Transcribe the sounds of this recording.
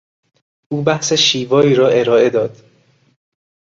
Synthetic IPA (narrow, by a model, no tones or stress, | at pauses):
ʔuːbæhseʃiːvɒːiːɾɒːe̞ɾɒːe̞d̪ɒːd̪̥